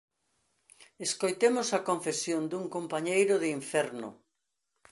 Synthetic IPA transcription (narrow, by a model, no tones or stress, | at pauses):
eskojt̪emosɐkoɱfesjond̪uŋkompaɲejɾʊðɪiɱfɛɾnʊ̰